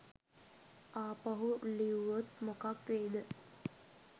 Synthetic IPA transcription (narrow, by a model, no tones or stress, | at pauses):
aːpɐɦuliuʋot̪mokakʋeːd̪ə